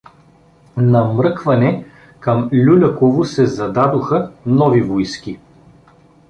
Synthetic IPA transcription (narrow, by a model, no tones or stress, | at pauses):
nɐmɾɤkvɐnɛ | kɐmlʲulʲɐkovʊsɛzɐd̪ad̪oxənɔvivojski